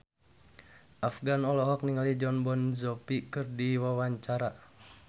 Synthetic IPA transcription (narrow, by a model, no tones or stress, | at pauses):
ʔafɡanɔlɔɦɔk̚niŋalid͡ʒɔnbɔnzɔpikɨrdiwawaɲt͡ʃaɾa